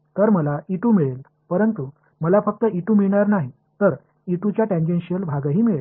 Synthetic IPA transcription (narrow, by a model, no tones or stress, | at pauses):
t̪əɾməlaiʈumiɭel | pəɾənt̪u | məlafək̚t̪əiʈuːmiɭɳaɾnaɦi | t̪əɾ | iʈut͡ɕjaʈẽnd͡ʑẽnɕijəlbʱaɡaɦiːmiɭel